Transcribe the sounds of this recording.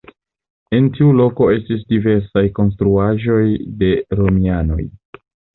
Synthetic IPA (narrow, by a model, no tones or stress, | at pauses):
e̞ntiulo̞ko̞e̞stis̬dive̞ɾsajko̞ns̬tɾuaʒo̞jde̞ɾo̞miano̞̰j